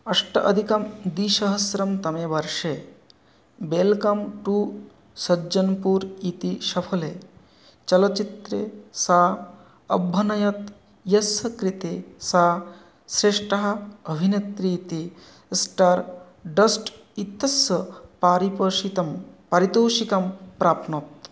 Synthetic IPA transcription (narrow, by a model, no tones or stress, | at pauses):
ɐʂʈɐʔɐ̰d̪ʱikɐmd̪iːʃɐɦɐsɾɐmt̪ɐmeːʋɐɾʂe | belkɐmʈuː | sɐd͡ʒɐnpuːɾit̪iʃɐpʰɐleː | t͡ʃɐlɐt͡ʃit̪ɾeːsaː | ɐ̰bʱːɐnɐjɐt̪ | jɐsɐkɾit̪esaː | sɾeːʂʈɐɦɐ̆ɐbʱinɐt̪ɾiːt̪i | sʈaːɾ | ɖɐsʈ | it̪ːɐsɐpaːɾipɐːʃit̪ɐmpɐɾit̪oːʃikɐmpɾaːpnɐt̪̚